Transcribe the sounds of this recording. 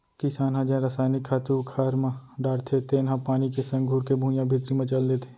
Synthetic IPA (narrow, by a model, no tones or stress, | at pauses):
kɪsaːnɦãd͡ʒɛ̃ɾəsaːnɪkʰːaːt̪ukʰaːɾmãɖaːɾt̪ʰet̪eːnɦãpaːnikesɐ̃ŋɡʱuːɾkebʱũjãbʱɪt̪ɾimẽt͡ʃɐld̪eːt̪ʰe̥